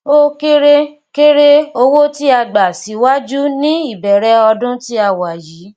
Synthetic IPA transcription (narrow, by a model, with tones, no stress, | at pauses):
o˦ke˦ɾe˦ | ke˦ɾe˦o˧wo˦ti˦a˧ɡ͡ba˨si˨˦wa˦d͡ʒu˦nĩ˦i˦˨bɛ˨ɾɛ˧˦ɔ˧dʊ̃˦ti˦a˧˨wa˨ji˨˦